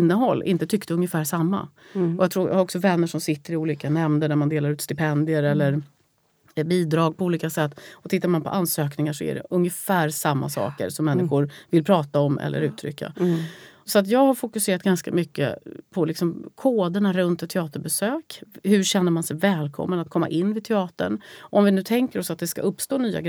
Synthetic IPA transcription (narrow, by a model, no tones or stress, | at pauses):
nːəɦɔlːʔɪ̰nt̪ət̪ʰʏkːt̪əɵŋjəfæːʂamːa̰ɔjaɡt̪ʰɾuːɾja̰haɾɔksɔvɛnːəʂɔmsɪt̪ːəɾɪuːliːkanɛmnd̪ənæɾmand̪eːlaɾʉ̟ːt̪st̪ɪpʰɛnd̪ɪəɾɛlːəɾ | biːd̪ɾɑːɡ̚pʰɔuːliːkasɛt̪ːɔt̪ʰɪt̪ːaɾmanpʰɔ̰ʔansøːknɪŋaʂɔæ̰ɖɛ̰ʔɵŋjəfæːɾsamːa̰sɑ̰ːkə̰ɾsɔmːɛnːɪɧʊɾvɪlpʰɾɑːt̪aɔmʔɛ̰lːə̰ɾʉ̟ːt̪ʰːɾʏ̰kːa̰ | sɔat̪̬jɑːɡhaɾfʊkɵseːɾat̪̚ɡanska̰mʏkːə̰pʰɔlɪksɔmkʰoːd̪əɳaɾɵnt̪ɛt̪ʰːɛɑːt̪əɾbɛsøːkhɵɾɕɛn̪ːəɾmansɛjvɛːlkʰɔ̰mːənat̪̚kʰɔmːa̰ʔɪnːvɪt̪ʰɛɑːt̪ə̰ɳɔmvɪnʉ̟ːt̪ʰɛŋkəɾɔsat̪̚d̪ɛska̰ɵpːst̪oːnyːa̰ɡɾ